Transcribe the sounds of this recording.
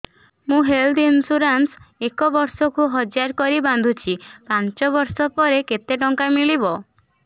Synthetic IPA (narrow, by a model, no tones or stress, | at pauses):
mũɦeld̪insuɾansekɔbɔɾsɔkuɦɔd͡ʒaɾkɔɾiband̪ʱut͡ʃʰipant͡ʃɔbɔɾsɔpɔɾeket̪eʈɔŋkamiɭibɔ